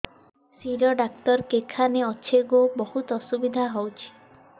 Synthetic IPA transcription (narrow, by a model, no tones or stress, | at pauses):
siɾɔɖak̚t̪ɔɾkekʰaneɔt͡ʃʰeɡobɔhut̪ɔsubid̪ʱaɦɔwt͡ʃʰi̥